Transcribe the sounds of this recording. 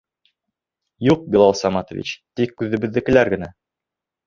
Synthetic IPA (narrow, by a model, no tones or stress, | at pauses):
juq̚bilˠɑlˠsɑmɑt̪ŏvʲḭt͡ɕt̪ikːʉðɘ̆bɘ̆ðːɘ̆kɘ̆læɾɡɘ̆næ